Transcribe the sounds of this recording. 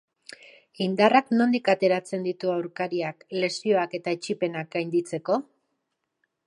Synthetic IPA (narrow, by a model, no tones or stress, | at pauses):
ind̪arakno̞nd̪ikat̪e̞ɾat͡se̞nd̪it̪uawɾkaɾiakle̞sio̞ake̞t̪aet͡ʃipe̞nak̚ɡajnd̪it͡se̞ko̞